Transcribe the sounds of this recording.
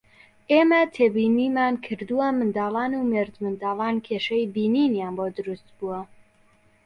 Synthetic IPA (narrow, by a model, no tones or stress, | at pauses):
ʔeːmɐt̪ʰeːbiːniːmaːnkʰɨɾd̪uwɐmɨnd̪ɑːlˠɑːnumeɾd̪mɨnd̪ɑːlˠɑːnkʰeːʃɐjbiːninjaːnbod̪ɨɾust̪̚buɐ